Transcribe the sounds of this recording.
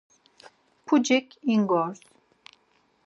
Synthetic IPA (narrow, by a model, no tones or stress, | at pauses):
pʰud͡ʒɛkʰiŋɡɔɾs